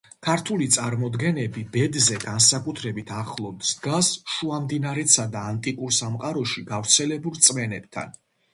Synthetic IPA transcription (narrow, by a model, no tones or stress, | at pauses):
kʰaɾt̪ʰulit̪sʼaɾmɔd̪ɡɛnɛbibɛd̪zɛɡansakʼut̪ʰɾɛbit̪ʰaχlˠɔd̪sd̪ɡasʃuamd̪inaɾɛt̪sad̪aːnt̪ʼikʼuɾsamqʼaɾɔʃiɡavɾt̪sʰɛlɛbulˠt̪sʼmɛnɛb̚t̪ʰa̰n